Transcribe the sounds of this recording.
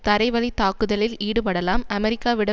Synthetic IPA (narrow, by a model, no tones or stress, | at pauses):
t̪ɐɾɐɪʋɐɭit̪aːkɯðɐlɪliːɽɯpɐɽɐlaːmɐmɛɾɪkːaːʋɪɽɐ